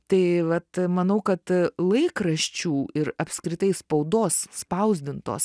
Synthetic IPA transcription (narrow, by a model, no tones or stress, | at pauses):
t̪ɐɪʋɐt̪mɐnɐʊkɐt̪lˠɐɪkɾɐʃʲt͡ʃʲuːɪɾɐpʲskɾʲɪt̪ɐɪspɐʊd̪oːsspɐʊzʲd̪ʲɪnt̪o̰ːs